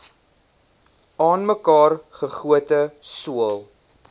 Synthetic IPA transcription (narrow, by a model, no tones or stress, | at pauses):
ɑːnməkɑːrχəχuətəsuəlˠ